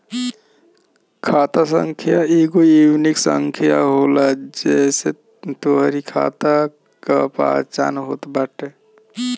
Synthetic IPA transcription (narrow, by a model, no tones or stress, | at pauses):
kʰat̪as̬ə̰ŋkʰijaeɡoiwniksə̰ŋkʰijaɦolad͡ʒɛse | t̪oɦɾikʰa̰t̪a | kapa̰t͡ʃa̰nɦo̰t̪baʈe